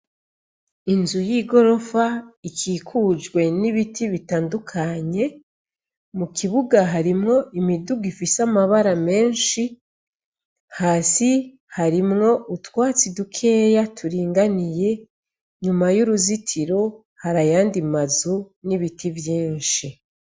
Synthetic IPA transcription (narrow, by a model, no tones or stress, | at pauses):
inzujiɡo̞ɾo̞faikʰiːkʰud͡ʒɡwe̞niβitʰiβitaːndukʰaɲe̞ | mukʰiβuɡaɦaɾimŋo̞ʔimiduɡifisamaβaɾame̞ːnʃi | haːsi | haɾimŋo̞ʔutwaːt͡sidukʰe̞ːjatʰuɾiːŋɡanije̞ | ɲumajuɾuzitʰiɾo | haɾajaːndimazuniβitʰivjiːnʃi